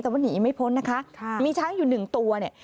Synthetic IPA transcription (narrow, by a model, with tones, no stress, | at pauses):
t̪ɛ˨˩waː˥˩niː˨˩˦ma˥˩jpʰo˦˥nːa˦˥kʰa˦˥miː˧t͡ɕʰaː˦˥ŋjuː˨˩nɯ˨˩ŋt̪u˧ɐni˨˩ə